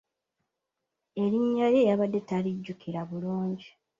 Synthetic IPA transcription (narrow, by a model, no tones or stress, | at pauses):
e̞ɾiɲːaje̞jaβadːe̞taliɟːukʰiɾaβuluːɲɟi